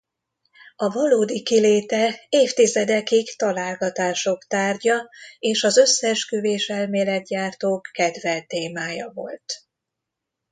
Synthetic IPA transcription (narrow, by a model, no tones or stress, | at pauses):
ɒvɒloːd̪ikileːt̪ɛeːft̪izɛd̪ɛkikt̪ɒlaːlɡɒt̪aːʃo̞kt̪aːrɟɒeːʃɒzøsːɛʃkøveːʃɛlmeːlɛt̪̚ɟaːrt̪oːkːɛd̪vɛlt̪eːmaːjɒvo̞̰lt̪